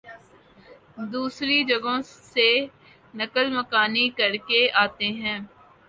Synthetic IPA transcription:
d̪uːsɾid͡ʒɐɡõse | nɐkəlmɐkaːnikɐɾkeaːt̪eɦɛ̃ː

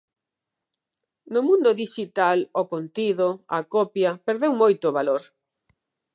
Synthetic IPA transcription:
nʊmũnd̪oðiʃit̪alokont̪iðoa̰kɔpjɐpeɾðewmojt̪oβaloɾ

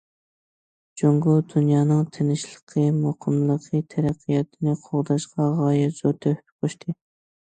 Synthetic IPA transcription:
d͡ʒoŋɡud̪̥unjɑːnɨŋt̪ʰenɪʃlˠə̥qʰəmoqʰəmlˠəqʰət̪ʰɛɾæqʰːijɑt̪ʰɨnɨqʰoʁd̪ɑʃqɑʁɑːjɛzot̪ʰøhqʰoʃt̪ʰɨ

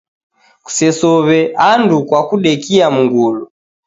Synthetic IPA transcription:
ku̥sɛsɔβɛʔandukwakuɗɛkiamuŋɡulu

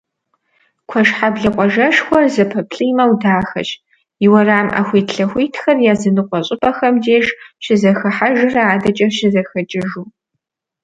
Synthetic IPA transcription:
kʷʰɔʂħabɮɐqʷʼɔʒɐʂxʷɔrzɐpʰɐpʰɬʼɨjmɐwdaːxɐ̰t͡ʃʼ | ɪwɐraːmʔa̰ːxʷiːtʰɬɐxʷiːtʰxɐrjaːzɨnɨqʷʼɔɕʼɪpʼɐxɐmdeːʒʃɪzɐxɐħaʒɪrɐaːdɐt͡ʃʼɐʃɪzɐxɐt͡ʃʼɪʒuː

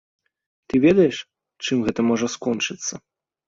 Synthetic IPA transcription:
t̪ɨvʲɛd̪ɐjɛʂ | t͡ʂɨmɣɛt̪ɐmɔʐɐskɔnt͡ʂɨt̪sːɐ

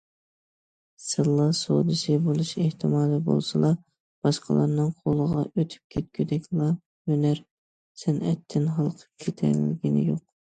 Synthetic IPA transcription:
sɨlˠːɑso̰d̪ɨʃɪbolˠuʃeht̪ʰɪmɑːd̪ɨbo̰lˠsɨlˠɑ | b̥ɑʃqəlˠɑ̰ɾnɨŋqʰolˠəʁɑ̰ʔøt̪ʰy̥p̚kʲʰet̪̚kʲʰyd̪ɛkʲlˠɑ | hønæɾ | sɪnɛt̪ʰːɪnɦɑlˠqʰə̥p̚kʲʰet̪ʰɛ̰ɾlɪɡʲinɪ̰joq̚

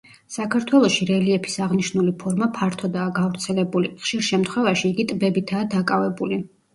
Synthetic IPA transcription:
sakʰaɾt̪ʰwɛlˠɔʃiɾɛliɛpʰi̥saʁniʃnulipʰɔɾmapʰaɾt̪ʰɔd̪aːɡavɾt̪sʰɛlɛbuliχʃiɾʃɛmt̪ʰχwɛvaʃiːɡit̪ʼbɛbit̪ʰaːd̪akʼavɛbuli

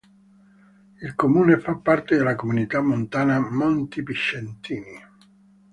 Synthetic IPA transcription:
ilkomuːnefapːart̪ed̪elakomunit̪amːont̪aːnamɔnt̪ipiʃːent̪iːni

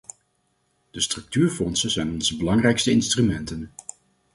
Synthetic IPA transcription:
d̥əstrɵk̚tyːɹfɔnsənzɛjnɔnzəbəlɑŋrɛjkstəɪnstrymɛntən

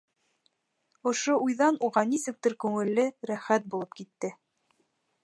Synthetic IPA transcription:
ŏʃoujðɑnuʁɑnisɘ̆k̚t̪ɘɾkʉŋɘ̆lːɘɾæχæt̪̚bulˠɤpkit̪ːɘ

